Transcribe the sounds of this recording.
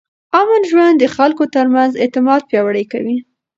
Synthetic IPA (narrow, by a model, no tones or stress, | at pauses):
amanʒwand̪dːəxalkot̪əɾmanzɪt̪ɪmɑd̪̚pjɑwaɽəjka̰wi